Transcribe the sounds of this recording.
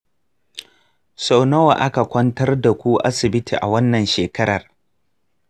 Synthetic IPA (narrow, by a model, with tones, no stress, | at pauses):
sɔ˦wnɐ˦wa˨ʔa˦ka˨kʷɐ˦ntɐ˦rda˨kʷu˦ʔa̰˦sɪ˨bɪ˦tḭː˨ʔa̰˨wɐ˦nːɐ˨nʃeː˨kɐ˦ɾɐ˨r